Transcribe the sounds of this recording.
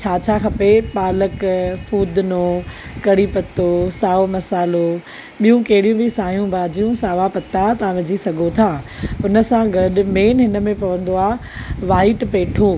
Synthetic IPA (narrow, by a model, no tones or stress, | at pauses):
t͡ɕʰaːt͡ɕʰaːxɐpepaːləkfʰuːd̪noːkɐɽipɐt̪osaːomɐsaːlo | ɓijũkɐɦɪɽijũbɪsaːɦijũbʱaːd͡ʑijũsaːʋapɐt̪at̪ãʋɪd͡ʑisɐɡʱot̪ʰaːʊnə̆sãɡɐɗʊmeːnɦɪnə̆mẽpɐʋə̃nd̪oaːɦʋaːɪʈpeːʈʰo